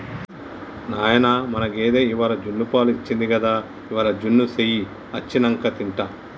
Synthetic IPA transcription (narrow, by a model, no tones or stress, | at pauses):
naːjɐnaːmɐnɐkeːd̪eːiʋaːlɐd͡ʒunːupaːluit͡ʃːind̪iɡɐd̪aː | iʋaːlɐd͡ʒunːuseji | ɐt͡ʃːinɐŋkɐt̪iɳʈɐ